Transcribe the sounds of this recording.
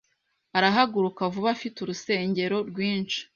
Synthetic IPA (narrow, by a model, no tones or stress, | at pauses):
aɾaɦaɡuɾukavuβafituɾuse̞ːɲɟe̞ɾo̞ɾɡwiːnt͡ʃi̥